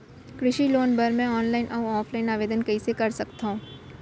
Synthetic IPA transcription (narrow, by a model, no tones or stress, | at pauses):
kɾɪʃiloːnbɐɾmɛ̃ɔːnlaːɪnʔɐːɔːpʰlaːɪnaːʋeːd̪ənkɐisekɐɾsɐkt̪aɦũː